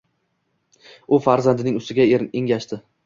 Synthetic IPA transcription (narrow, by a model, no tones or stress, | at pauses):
ʊfaɾzand̪ɪnɪŋʊst̪ɪɡʲaeŋʲaʃt̪ɪ